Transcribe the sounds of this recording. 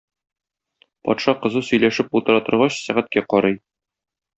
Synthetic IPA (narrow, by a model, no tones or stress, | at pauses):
pɒ̰t̪ʃɑqɤ̆zɤsɵ̆jlæʃɘpult̪ɤ̆ɾɑt̪ɤ̆ɾʁɑɕsæʁæt̪̚kæqɒɾɤj